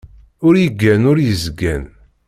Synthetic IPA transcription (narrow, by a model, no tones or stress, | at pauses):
ʊɾjəɡːænʊɾjəzɡæn